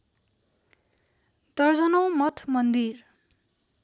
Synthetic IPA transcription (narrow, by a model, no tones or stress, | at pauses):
d̪ʌrd͡zʌnʌw̃mʌt̪ʰmʌnd̪ir